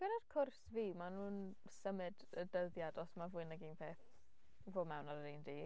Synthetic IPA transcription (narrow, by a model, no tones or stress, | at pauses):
b̥ɛnɔd̥kʰʊrsviːmanun | səmɨdədəðjadɔsmavuɨnaɡinpʰeːθ | voːmɛwnaɾəɾindiː